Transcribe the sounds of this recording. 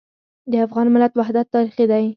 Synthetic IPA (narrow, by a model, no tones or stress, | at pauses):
d̪əafɣɑnmɪlat̪wahd̪at̪ːɑɾiχid̪aj